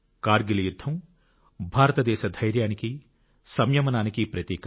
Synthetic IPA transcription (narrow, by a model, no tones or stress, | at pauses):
kaːɾɡilɐjud̪ʱːɐm | bʱaːɾɐt̪ɐd̪ɛːʃɐd̪ʱɐjɾjaːniki | sɐmjɐmɐnaːnikipɾɐt̪iːk